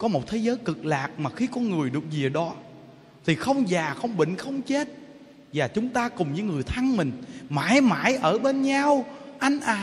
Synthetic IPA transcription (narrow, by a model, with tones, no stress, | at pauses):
kɔ˨˦mo˨˩t̚t̪ʰe˨˦zəː˨˦jkɨ˨˩k̚laː˨˩k̚maː˨˩xi˧kɔ˨˦nŋɨ˨˩əjɗɨ˨˩ək̚zi˨˩əɗɔ˨˦ | t̪ʰi˨˩xə˧wŋ͡mzaː˨˩xə˧wŋ͡mɓḭ̈˧˨ŋ̟xə˧wŋ͡mt͡ɕe˦˥t̚ | zaː˨˩t͡ɕʊ˨˦ŋ͡mt̪aː˧kʊ˨˩ŋ͡mɲɨ̰˧˦ŋɨ˨˩əjt̪ʰa˧ŋmï˨˩ŋ̟ma̰ː˧˩˦jmaː˧˩˦jʔəː˧˩ɓe˧nɲa˧wʔa˧jŋ̟ʔaː˨˩